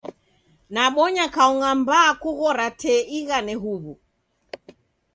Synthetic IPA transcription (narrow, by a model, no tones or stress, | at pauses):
naɓɔɲakaɔŋambaːkuɣɔɾatɛiɣanɛɦuβu